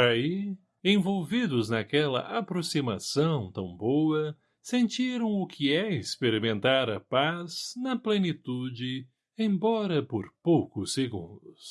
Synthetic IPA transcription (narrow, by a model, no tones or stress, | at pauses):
ai | ẽj̃vowvid̪ʊznɐkɛlɐ̰ʔapɾosimasɐ̃w̃t̪ɐ̃w̃bowɐ | sẽnt͡ʃiɾɐ̃w̃ʊkʰɪɛɪspeɾimẽnt̪aɾɐpaznɐplenit̪ud͡ʒɪ | ẽj̃bɔɾɐpoɾpowkʊsːeɡṵ̃nd̪ʊs